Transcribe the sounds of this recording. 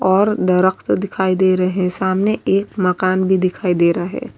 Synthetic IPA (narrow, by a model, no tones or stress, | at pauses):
ɔːɾd̪ɐɾəkt̪d̪ɪkʰaːid̪eːɾɐɦeɦɛ̃saːmneʔeːkmɐkaːnbʱid̪ɪkʰaːid̪eːɾɐɦɛ̰ː